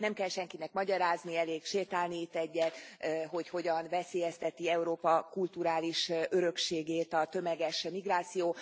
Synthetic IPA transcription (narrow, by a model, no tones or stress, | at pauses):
nɛmkɛlʃɛŋkinɛkmɒɟɒɾaːzniɛleːkʃeːlt̪aːlniːt̪ːɛɟːɛt̪ɦo̞cho̞ɟɒnvɛseːjɛst̪ɛt̪iɛuɾoːpɒkult̪uɾaːliʃøɾø̞kʃeːɡeːt̪ɒt̪ø̞mɛɡɛʃmiɡraːt̪sijoː